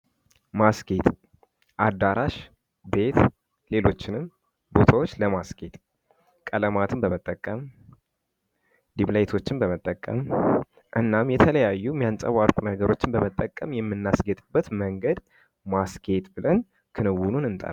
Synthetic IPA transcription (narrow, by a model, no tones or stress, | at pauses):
masket̪ | ʔad̪ːaɾaʃ | be̞t̪ | le̞lo̞t͡ʃːɪnɨm | bo̞t̪ʰawo̞t͡ʃːləmasɡe̞t̪ | kʼələmat̪ʰɨnbəmət̪ʼːəkʼːəm | d̪iblajt̪ʰo̞t͡ʃːɪnbəmət̪ʼːəkʼːə̰m | ʔɨnːamjɛt̪ʰələjajːumijansʼə̰waɾkʷʼunəɡəɾo̞t͡ʃːɪnbəmət̪ʼːəkʼːəmjɛmːɨnːasɡət̪ʼɨbːət̪məŋɡəd̪ | masɡe̞t̪bɨlən | kʰɨnɨwununɨnt̪ʼə̰